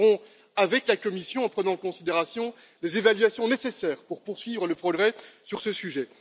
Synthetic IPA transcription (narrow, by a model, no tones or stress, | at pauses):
ʁɔ̃ | avɛklakɔmisjɔ̃ɑ̃pχənɑ̃kɔ̃sid̪eʁasjɔ̃ | lezevalɥasjɔ̃nesesɛːʁpuʁpuʁsɥivʁələpχɔɡʁɛsyʁsəsyʒɛ